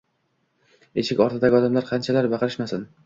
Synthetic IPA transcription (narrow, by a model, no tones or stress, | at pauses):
eʃɪkʲɒɾt̪ʰɪd̪aɡʲɒd̪amlaɾqʰɑnt͡ʃʰalaɾbɑqʰɾɪʃmasɪn